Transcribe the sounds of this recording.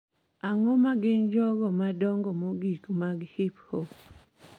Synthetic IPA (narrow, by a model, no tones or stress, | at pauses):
aŋɔmaɡɪnd͡ʒɔɡɔmadɔŋɡɔmoɡikmaɡhɪpho